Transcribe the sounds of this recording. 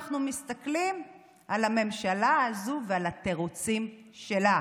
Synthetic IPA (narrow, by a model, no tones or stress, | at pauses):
χnumist̪aklim | ʔalame̞mʃalaːzuvealateʁut͡sim | ʃela